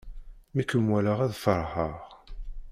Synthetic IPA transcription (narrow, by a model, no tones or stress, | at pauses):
mikəmwæləʁæðfəɾˤhəʁ